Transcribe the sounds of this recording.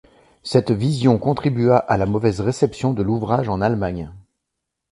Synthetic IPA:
sɛt̪vizjɔ̃kɔ̃t̪χibyaʔalamɔvɛzʁesɛpsjɔ̃d̪əluvʁaʒɑ̃nalmaɲ

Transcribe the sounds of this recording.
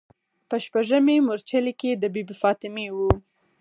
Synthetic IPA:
pəʃpaʒəmemʊɾt͡ʃəleked̪əbibfɑt̪ɪmewu

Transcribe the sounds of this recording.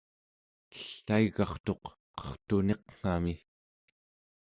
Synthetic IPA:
t̪ə̥ɬːaiɣɑχt̪o̞q | qʌ̥χt̪une̞qŋ̥ami

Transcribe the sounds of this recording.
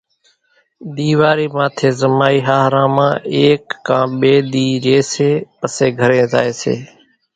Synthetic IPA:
ɗ̪iːʋaːɾiːmãːt̪ʰeːzəmaːiːɦaːɦɾãːmã̰ːeːkːãːɓeːɗ̪iːɾeːseːpəseːɡʱəɾẽːza̰ːeːsḛː

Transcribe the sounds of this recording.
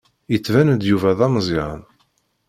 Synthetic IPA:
jət͡sːvænd̪juvæðɑmzˤiʕə̰n

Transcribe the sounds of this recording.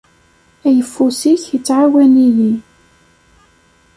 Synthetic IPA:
æjəfːusiçjət͡sːʕawænili

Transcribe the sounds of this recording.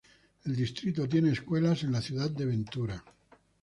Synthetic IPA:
e̞ld̪ist̪ɾit̪̬ot̪̬je̞neːskwe̞lase̞nlaθjuðat̪d̪eβẽ̞nt̪uɾa

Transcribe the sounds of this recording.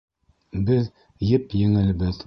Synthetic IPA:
bɘð | jɘpjɘ̆ŋɘ̆lbɘð

